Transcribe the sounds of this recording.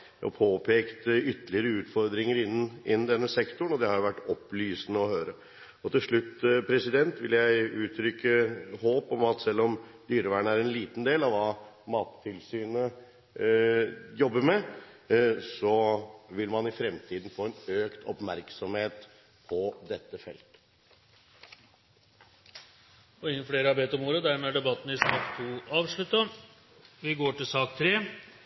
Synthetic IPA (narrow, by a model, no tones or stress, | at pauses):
ʔɔ̰pʰoːpʰeːkt̪ʏt̪ːlɪəɾəʉːt̪fɔɾd̪ɾɪŋəɾɪnːnʔɪnːn̩d̪ɛnːəsɛkt̪ʊɳnɔd̪ɛhɑɾjʊʋæʈːɔplyːsənəɔhøːɾə | ɔt̪ɪlʂɭʉt̪ːpʰɾɛsɪd̪ɛnt̪ʋɪ̰ljæɪʉːt̪ʰɾʏkːəhoːpɔmɑt̪sɛlːɔmd̪yːɾəʋæːɳəæɾɛnliːt̪nd̪eːlɑʋʋɑː | mɑːt̪ʰːɪlsyːnə | jɔbːəmɛ | sɔʋɪlmɑnɪfɾɛmt̪ʰiːd̪n̩foːɛnøːkt̪ʰɔpmæɾksɔmheːt̪ | pʰɔd̪ɛt̪ːəfɛ̰lt̪ | ɔɪŋːənfleːɾəɑɾbeːt̪ɔmoːɾəd̪æɾmeæɖɛbɑt̪ːnəɪsɑkt̪ʰuːɑːʋʂɭʉt̪ːə | ʋɪɡoːʈɪlsɑːk̚t̪ʰɾeː